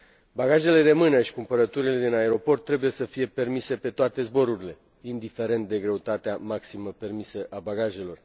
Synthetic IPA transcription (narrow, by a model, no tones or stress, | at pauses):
baɡaʒe̞le̞d̪e̞mɨnaʃi̥kumpəɾət̪uɾile̞d̪inae̞ɾo̞po̞rt̪ːɾe̞buje̞səfije̞pe̞rmise̞pe̞t̪oat̪e̞zbo̞ɾuɾile̞ | ind̪ife̞ɾe̞nt̪̚d̪eɡɾe̞ut̪at̪eamaksiməpe̞rmisəʔabaɡaʒe̞lo̞r